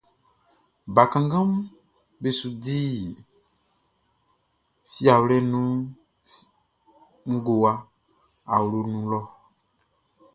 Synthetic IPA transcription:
ba˨kã˨ŋɡã˦m˦ | be˨su˨di˦ | fi˦a˨wlɛ˦nũ˦ | ŋ̩˦ɡo˨a˦ | a̰˨wlo˦nũ˦lɔ˦

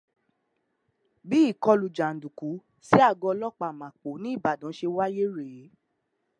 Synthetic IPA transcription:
bi˦i˦˨kɔ˧lu˨d͡ʒa˨n̩˨du˨ku˨˦ | si˦a˦˨ɡɔ˧lɔ˦k͡pa˨mã˨k͡po˨˦nĩ˨˦i˦˨ba˨dɔ̃˨˦ʃe˧wa˦je˦ɾe˨˦

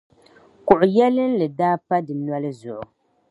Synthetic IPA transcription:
kʊ˨ʔʊ˨jɛ˦lɨ˦n˦lɨ˨daː˦pa˦dɨ˨nwɔ˦lɨ˦zʊ˨ʔʊ˨

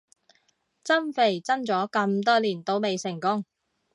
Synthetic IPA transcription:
t͡sɐ˥mfe˨˩jt͡sɐ˥nt͡sɔː˨˥kɐ˧mt̪ɔː˥liː˨˩nt̪o˧˥wme˨jsɪ˨˩ŋkʊ˥ŋ

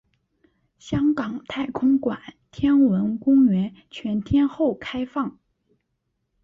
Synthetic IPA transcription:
ɕjɑ˥ŋkɑ˨˩ŋt̪ʰa˥˩ɪkʰʊ˥ŋkwa̰˨˩˦nt̪ʰjɛ˥nwə˧˥nkʊ˥ŋɥɛ˧˥nt͡ɕʰɥɛ˧˥nt̪ʰjɛ˥nxo˥˩ʊkʰa˥ɪfɑ˥˩ŋ

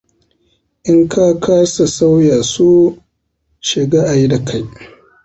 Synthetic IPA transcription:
ʔɪ˦ŋkʰa˦kʰaː˦sa˨sa˦wjaː˨su˦ | ʃɪ˨ɡaː˦ʔa˨ji˦da˨kʰa˦j

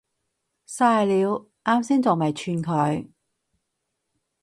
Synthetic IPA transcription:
saː˧jliː˨˧w | ʔaː˥msiː˥nt͡so˨˩mɐ˨˩jt͡ʃʰyː˧nkʰɵ˨˧ɥ

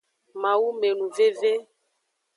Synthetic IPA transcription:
mã˨wu˦me˨nũ˨ve˦ve˦

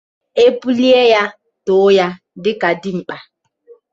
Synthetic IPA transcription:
e˦bu˦li˦e˦ja˦ | to˨˦ja˦ | dɪ˦ka˨dɪ˦ŋ͡m̩˨k͡pa˨

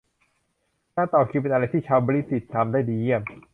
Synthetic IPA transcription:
k̪aː˥˩t̪ɔː˨˩kʰiː˧pe˧nʔa˧a˧jt̪ʰiː˥˩t͡ɕʰaː˧wbɔ˧ɾi˦˥˩t̪ːi˨˩t̪ʰːaː˧mdaː˥˩jdiː˧ji˥˩m

